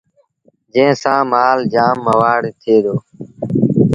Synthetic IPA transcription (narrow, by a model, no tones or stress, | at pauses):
d͡ʒẽːsãːmaːld͡ʒaːmːəʋaːɽt̪ʰeːd̪oː